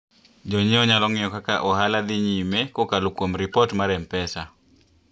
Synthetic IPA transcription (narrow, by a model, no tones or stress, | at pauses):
d͡ʒɔɲiɔɲalɔŋɪɔkaka̰ʔɔhalad̪ɪɲimekokalokwomɾɪpɔtmaɾɛmpɛsa